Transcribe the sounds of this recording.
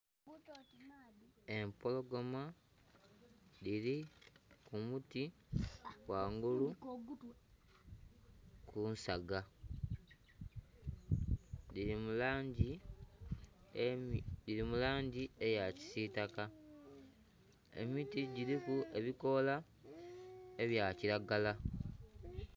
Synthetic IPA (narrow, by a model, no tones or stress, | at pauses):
e̞mpo̞lo̞ɡo̞ma | liɾikumuti | waːŋɡulu | kunsaɡa | iimulaːɲɟi | diɾimulaːɲɟie̞jaci̥sitaka | ḛmitiɟiɾikue̞βiko̞la | e̞βjaːciɾaɡala